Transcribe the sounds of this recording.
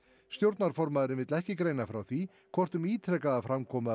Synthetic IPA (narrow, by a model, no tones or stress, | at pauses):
st̪jowɾt̪naɾ̥fɔɾmaðɾɪvɪt̪lɛhcɪkɾejnafɾawθi | kʰvɔr̥t̪ʏmiːt̪ʰɾɛkaðafɾamkʰɔːma